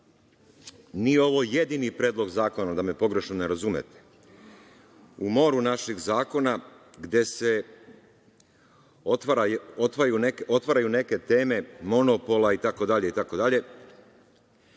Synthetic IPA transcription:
nijeo̞ʋo̞je̞d̪inipɾeːd̪lo̞ɡzaːko̞nad̪ame̞po̞ɡɾe̞ʃnoneɾazumḛt̪e̥ | umo̞ɾunaʃiɡzaːko̞na | ɡd̪je̞se | ot̪aɾaot̪ʋajuneko̞t̪ʋaɾajune̞ke̞t̪e̞ːme̞mo̞nopo̞lait̪ako̞d̪aʎe̞it̪ako̞d̪aʎe̞

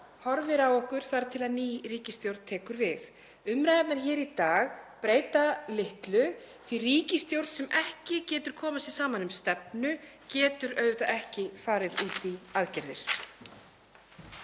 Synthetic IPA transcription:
hɔɾvɪɾawɔhkʏɾ̥θaɾt̪ʰɪlaðniːriːcɪst̪jowɾt̪t̪ʰɛːkʏɾvɪð | ʏmɾajðat̪naɾ̥çɛːɾit̪aːɣpɾeːjt̪alɪht̪lʏ | θiriːcɪst̪jowɾt̪sɛmʔɛhcɪcɛːt̪ʏɾ̥kʰɔːmasɛðsaːmanʏmst̪ɛp̚nʏ | cɛːt̪ʏɾœɥðʏt̪aɛhcɪfaːɾɪðuːt̪iaðcɛɾðɪ̰ɾ̥

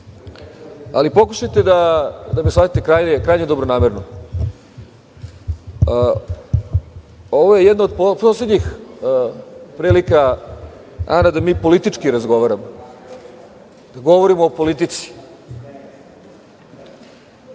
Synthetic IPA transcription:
a̰lipo̞kuʃajt̪e̞d̪ad̪ameslˠat̪it̪e̞kɾaːjɲekɾaːjɲed̪o̞bɾonaːmeɾno | o̞ʋoje̞jɛd̪naod̪poposled̪ɲix | pɾiːlika | a̰nad̪amiːpo̞lit̪it͡ʃkiɾazɡo̞ʋaɾamo | d̪̥aɡo̞ʋoɾimoːpo̞lit̪it̪si̥

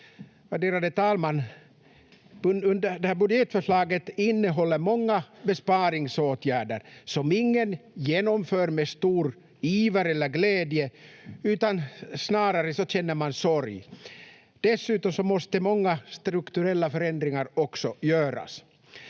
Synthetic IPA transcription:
vaɖeːɾad̪ət̪ʰɑːlman | ɵnd̪əɖɛhæːbɵd̪jɛt̪fœʂɭɑːɡət̪ɪnːəɦɔlːəɾmɔŋːabɛspɑːɾɪŋsoːt̪ʰjæːɖə̰ɾsɔmɪŋːənjeːnɔmføːɾmest̪uːɾ | iːvəɾɛlːəɾɡlɛːd̪jəʉ̟ːt̪ansnɑːɾaɾəsɔc͡çɛnːəɾmansɔɾj | d̪̥ɛsːʉ̟ːt̪ɔmsɔmɔst̪əmɔŋːast̪ɾɵkt̪ɵɾɛlːafœɾɛnd̪ɾɪŋaɾɔksɔjøːɾa̰s

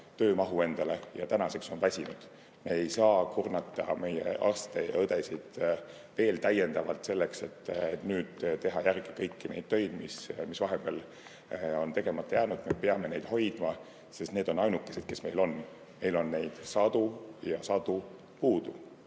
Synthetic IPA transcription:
t̪ø̞ːmɑɦue̞nd̪̥ɑle̞jɑ̰t̪ænɑse̞kso̞nvæsʲinud̪̥ | me̞ejsɑːkurnɑt̪ˑːɑme̞jḛʔɑ̰st̪ejɤd̪esid̪̥ | ve̞ːlt̪æjːe̞nd̪ɑvɑlt̪se̞lːe̞kse̞t̪ːet̪nyːd̪̥t̪e̞ɦɑjærɡikɤjkːine̞jd̪̥̚t̪ø̞jd̪̥mismisvɑɦemb̥el | o̞nt̪e̞ɡ̥e̞mɑt̪ːˑɑjæːnud̪̥me̞peɑme̞ne̞jd̪̥ho̞jd̪̥mɑ | se̞st̪ne̞ːd̪̥o̞nɑjnukːˑesed̥̪̚ke̞sme̞̰jlo̞n | me̞jlo̞nːe̞jd̪̥sɑd̪̥ujɑsɑd̪̥u | puːd̪̥u

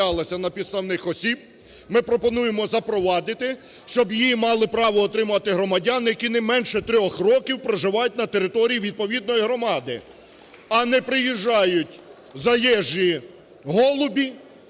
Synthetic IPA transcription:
ɑlˠɐsʲɐnɐpʲid̪st̪ɐwnɪxɔsʲib̚ | mɪpɾɔpɔnujemɔzɐpɾɔʋɑd̪ɪt̪ɪ | ʃt͡ʃɔbjimɑlˠɪpɾɑʋɔːt̪ɾɪmɐt̪ɪɦɾɔmɐdʲanjɐkʲinɛmɛnʃɛt̪ɾʲɔxrɔkʲiwpɾɔʒɪʋɑjʊt̚ʲnɐt̪eɾɪt̪ɔɾʲijiʋʲid̪̚pɔʋʲid̪̚nɔjiɦɾɔmɑd̪ɪ̰ | ɐnɛpɾɪjiʒːɑjʊtʲ | zɐjɛʒi | ɦɔlˠʊbʲi

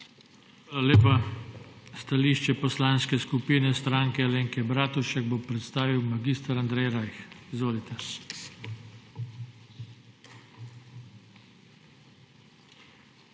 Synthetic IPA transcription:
xʋaːlaleːpa | st̪aliʃt͡ʃɛpɔslaːnskɛskupiːnɛst̪ɾaːŋkɛaleːŋkɛbɾaːt̪uʃɛɡ̚bopɾɛt̪st̪aːʋiwmaɡist̪aɾand̪ɾɛjɾajxizʋoːlit̪ɛ

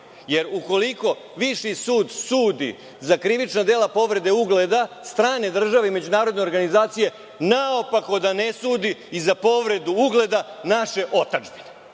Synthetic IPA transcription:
je̞ɾuko̞liko̞ | ʋiʃisuːd̪suːd̪ḭ | zakɾiʋit͡ʃnad̪eːlapo̞ʋɾe̞d̪e̞uɡle̞d̪ast̪ɾaːne̞d̪r̩ʒaʋeime̞d͡ʑunaːɾod̪ne̞oɾɡanizaːt̪sije̞ | naopako̞d̪anesuːd̪iizapo̞ʋɾe̞d̪uuɡle̞d̪anaʃe̞ʔo̞t̪ad͡ʒbine

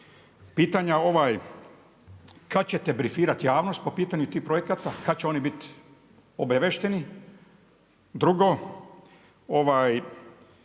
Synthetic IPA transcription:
piːt̪aɲao̞ʋaːj | kat͡ɕe̞t̪ebɾifiːɾat̪jaːʋno̞st̪̚po̞piːt̪aɲut̪iːhpɾoje̞kat̪akat͡ɕeo̞nibit̪ | obeʋeʃt̪eni | d̪ɾuɡo | o̞ʋaːj

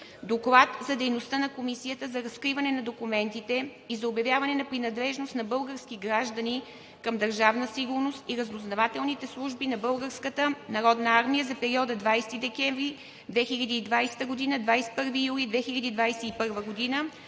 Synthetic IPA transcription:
d̪oklˠat̪zɐd̪ɛjnost̪ənɐkomisijət̪əzɐɾɐskɾivɐnɛnɐd̪okumɛnt̪it̪ɛ | izɐobjɐvjavɐnɛnɐpɾinɐd̪lɛʒnost̪nɐbɤlˠɡəɾskiɡɾaʒd̪əni | kəmd̪ɐɾʒavnəsiɡʊɾnost̪iɾɐznoznɐvat̪ɛlˠnit̪ɛslˠuʒbinɐbɤlˠɡəɾskət̪ənɐɾɔd̪nəaɾmijəzɐpɛɾiɔd̪əd̪vajst̪id̪ɛkʲɛɱvɾi | d̪vɛxiʎʲɐd̪iːd̪vajsɛ̥t̪əɡod̪inəd̪vajsɛ̥pɤɾvijulʲid̪vɛxiʎʲɐd̪id̪vajsɛipɤɾvəɡod̪inə

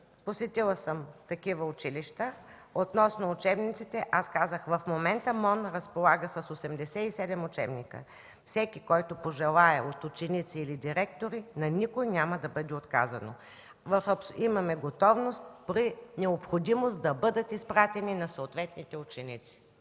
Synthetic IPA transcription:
posɛt̪ilˠəsəmt̪ɐkivəʊt͡ʃiliʃt̪əot̪nɔsnoːt͡ʃɛbnit̪sit̪ɛʔaskazəxvɐfmomɛnt̪əmɔnɾɐspolˠaɡəsɐsosɛmd̪ɛsɛisɛd̪ɛmʊt͡ʃɛ̰bnikə̰ | fsɛkikɔjt̪opoʒɛlˠaɛot̪ʊt͡ʃɛnit̪siːlid̪iɾɛkt̪oɾinɐnikojnʲamɐd̪ɐbɤd̪ɛot̪ka̰zɐno̰ | vɐfɐpsimɐmɛɡot̪ɔvnost̪̚pɾinɛopxod̪imost̪d̪ɐbɤd̪ət̪ispɾat̪ɛninɐsoot̪vɛt̪̚nit̪ɛʊt͡ʃɛnit̪si̥

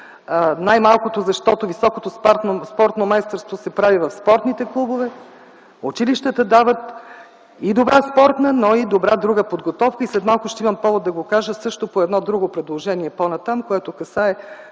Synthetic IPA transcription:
najmalˠkot̪ozɐʃt̪ɔt̪ovisɔkot̪ospaɾt̪nospɔɾt̪nomajst̪əɾst̪vosɛpɾavivɐfspɔɾt̪nit̪ɛklˠubovɛ | ʊt͡ʃiliʃt̪ət̪əd̪avət̪ | id̪obɾaspɔɾt̪nənoid̪obɾad̪ɾuɡəpod̪ɡot̪ɔfkəislɛt̪malˠkʊʃt̪ɛimɐmpɔvod̪ːɐɡokaʒəsɤʃt̪opoɛd̪nɔd̪ɾuɡopɾɛd̪lˠoʒɛniɛponɐt̪amkoɛt̪okɐsaɛ

